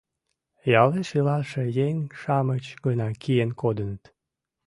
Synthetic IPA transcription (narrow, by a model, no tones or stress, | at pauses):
jɑleʃilɑʃejeŋʲʃɑmət͡ɕɡənɑkijenkod̪ənət̪